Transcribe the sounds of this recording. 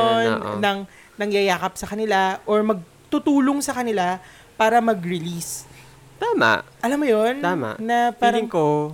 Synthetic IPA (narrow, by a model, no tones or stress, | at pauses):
n̰ːɐŋ | nɐŋjɐjaːkɐp̚sɐkɐnɪlaʔoɹmɐɡ̚ | t̪ʊt̪uːloŋsɐkɐnɪla | paːɾɐmɐɡɾɪlis | t̪aːma̰ʔ | ʔɐlamːojont̪ama̰ːɐpaːɾɪŋko